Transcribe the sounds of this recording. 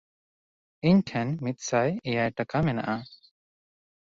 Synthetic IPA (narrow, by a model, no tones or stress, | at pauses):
iɲʈʰɛnmit̪̚sajɛjajʈakamɛna̰ʔa